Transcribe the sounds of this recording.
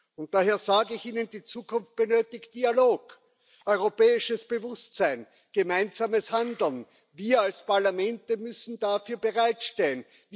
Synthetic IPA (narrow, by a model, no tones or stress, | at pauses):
ʊnt̚d̥aheːɐzaːɡəɪçʔiːnəndiːt͡suːkʰʊnft̚b̥ənøːtɪçt̚d̥ialoːk | ʔɔʏʁopɛːɪʃəsb̥əvʊstt͡sæɪn | ɡ̥əmaɪnzaːməshandl̩n | viːɐalspaɐlamɛntəmʏsn̩dafyːɐbəʁaɪtʃtɛlən